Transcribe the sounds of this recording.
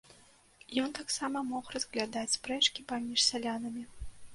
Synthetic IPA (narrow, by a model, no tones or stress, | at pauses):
jɔnt̪aksamɐmɔxrɐzɣlʲad̪at͡sʲpɾɛt͡ʂkʲipamʲiʂsʲalʲanɐmʲi